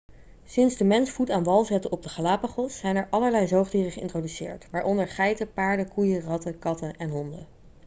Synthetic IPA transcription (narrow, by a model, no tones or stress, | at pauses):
sɪnzdəmɛnsfutaːnʋɑlˠzɛtəɔb̚dəχalaːpəχɔsːɛjnɛɹʔɑləɹlɛjzowχdiːrəχəɪ̰ntrodysɪ̰ːɹtʋaːɹʔɔndəɹχɛjtəpaːɹdəkujərɑtəkɑtəʔɛnɦɔndə